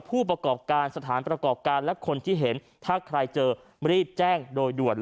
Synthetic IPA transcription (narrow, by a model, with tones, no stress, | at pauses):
pʰuː˥˩pɾa˧kɔː˨˩p̚kaː˧nsa˧t̪ʰaː˩˦npɾa˧kɔː˨˩p̚kaː˧nlɛ˦˥kʰo˧nt̪ʰiː˥˩ɦe˩˦n | t̪ʰaː˥˩kʰɾa˧jt͡ɕɤː˧ | ɾiː˥˩p̚t͡ɕɛː˥˩ŋdoː˧jdu˨˩ən